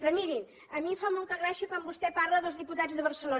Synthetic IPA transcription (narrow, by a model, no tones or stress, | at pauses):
rəmiɾin | əmimfamɔlˠt̪əɣɾasiəkwambust̪ɛpaɾləðəlˠzðiput̪ad͡zðəβərsəlo